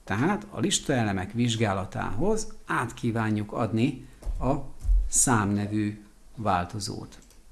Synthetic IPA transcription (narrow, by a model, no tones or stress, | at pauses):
t̪ɛɦaːt̪ʰɒ̰liʃt̪ɒɛlɛmɛkʋiʒɡaːlɒt̪a̰ːɦo̞zaːt̪kiːvaːɲːukɒ̰d̪niɒsaːmnɛvyː | vaːlt̪o̞zo̰ːt̪